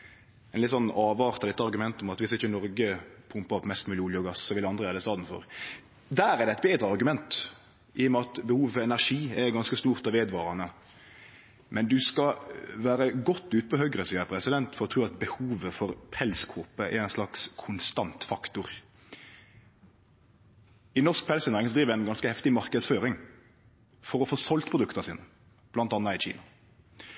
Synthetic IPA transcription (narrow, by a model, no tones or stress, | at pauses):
ɛnɪt̪sɔnːɑːʋɑːʁt̪ɑd̪ɪt̪ːɑʁɾɡʉmɛnt̪ɔmɑt̪ʋɪsɪçːənɔɾɡəpʰʊmpɑɾɔpmɛst̪mʉːlɪʊljəɔɡɑssɔʋɪlɑnd̪ʁəʋæːd̪ɛst̪ɑːd̪n̩fɔ̰ɾ | d̪æːɾɛʁd̪ɛæɛt̪̚beːd̪ɾəɑɾɡʉmɛnt̪ | ʔɪjʊmɛɑt̪bəhuːʋəfɔɾɛnæʂiːɛɾɡɑnskəst̪uːʁt̪ɑʋeːd̪ʋɑːɾɑnə | mɛnd̪ʉskɑʋæːɾəɡɔt̪ːʉːt̪̚pʰɔhœɡɾəsiːəɾpʰɾɛsɪd̪ɛnt̪fɔɾɔt̪ʰɾʉːɑt̪bəhuːʋəfɔɾpʰɛlskʰuːpəʔɛ̰ɾɛnslɑkskʰʊnst̪ɑnt̪fɑkt̪ʊɾ | ɪnɔʁsk̚pʰɛlsɛnʁɪŋsɔd̪ɾiːʋəæɪnɡɑnskəhɛft̪ɪmɑʁkəd̪sføːɾɪŋ | fɔɾɔfoːsɔlt̪pʰʁʊd̪ʉkt̪əsḭːnə | b̥lɑnt̪ɑnːɑɪt͡ʃḭːnɑ